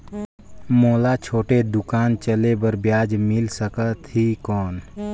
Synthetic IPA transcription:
moːlat͡ʃʰoːʈed̪ʊkaːnt͡ʃəlebəɾbjaːd͡ʒmɪlsəkət̪ɦikɔːn

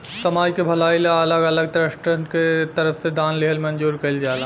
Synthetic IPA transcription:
səmaːd͡ʒkebʱəlaːilaələɡələɡ̚t̪ɾəsʈənket̪əɾəfsed̪aːnliɦəlmənd͡ʒuːɾkəild͡ʒala

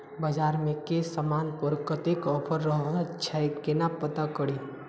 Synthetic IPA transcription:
bəd͡ʒaːɾmẽkesəmaːnpɔɾkət̪ekɔːpʰəɾːəɦt͡ʃʰajkenapət̪akəɽi

